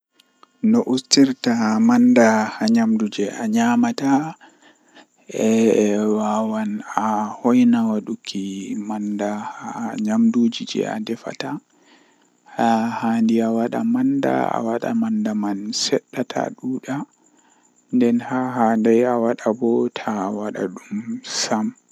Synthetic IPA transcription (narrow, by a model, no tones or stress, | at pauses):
nɔʔustiɾtamandahaɲamdud͡ʒɛʔaɲamata | ɛwawanahɔjnawaɗukʰimandahaɲamdud͡ʒid͡ʒɛ̰a̰dɛfa̰ta | hahandiawaɗa̰manda̰a̰waɗa̰mandamansɛɗːatʰa̰ɗuːɗa | ndɛnhaɦandajawaɗabɔtʰawaɗa̰ɗumsam